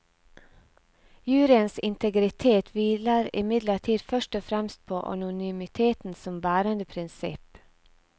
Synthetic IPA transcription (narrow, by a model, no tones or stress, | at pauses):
jʉːɾɪənsɪnt̪ʰəɡɾɪt̪ʰeːt̪ʰʋiːləɾɪ̰mɪd̪ləʈʰiːd̪fœʃʈɔfɾɛmst̪̚pʰoːʔɑ̰nʊnyːmɪt̪ʰeːt̪n̩sɔmbæːɾənd̪əpʰɾɪnsɪ̰p